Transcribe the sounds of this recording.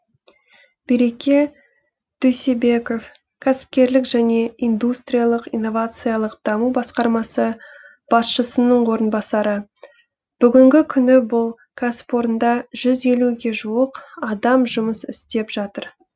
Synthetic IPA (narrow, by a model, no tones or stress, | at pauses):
b̥iɾe̞kʲej | d̪̥øjsebe̞ko̞f | kʲʰæsɪ̥p̚kʲe̞ɾlɪkʒæne̞ijnd̪ust̪rʲijalˠəqijnːo̞vat̪sɨjalˠəqd̪̥ɑmubɑsqɑɾmɑsə | b̥ɑsʃəsənəɴwo̞ɾənbɑsɑɾə | b̥ʏɡʲɪŋɡʲɪkʲʰʏnɪbʊlˠ | kʰasɪ̥po̞ɾənd̪ɑʒʏze̞luɡʲe̞ʒuəqɑd̪ɑmʒʊməsʏst̪e̞pʒ̥ɑt̪əɾ